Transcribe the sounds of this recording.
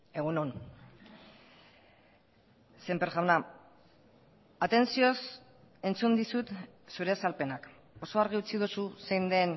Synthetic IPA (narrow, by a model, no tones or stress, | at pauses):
e̞ɣ̞unon | sempeɾʝawna | at̪e̞nsio̞s | e̞nt͡sund̪isut̪ | suɾe̞salpe̞nak | o̞so̞aɾɣ̞iut͡siðususejnd̪e̞n